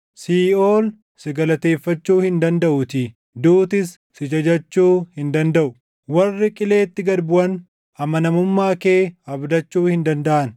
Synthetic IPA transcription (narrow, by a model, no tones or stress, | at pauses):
siːoːl | sɪɡɐlɐt̪e̞ːfːɐt͡ʃːuːhɪnd̪ɐnd̪ɐʔʊt̪i | d̪uːt̪ɪsːɪd͡ʒɐd͡ʒɐt͡ʃːuːhɪnd̪ɐnd̪ɐʔʊ | wɐrːɪkʼɪle̞ːt̪ːɪɡɐd̪bʊʔɐn | ʔɐmɐnɐmʊmːaːke̞ːɐbd̪ɐt͡ʃːuːhɪnd̪ɐnd̪ɐʔɐn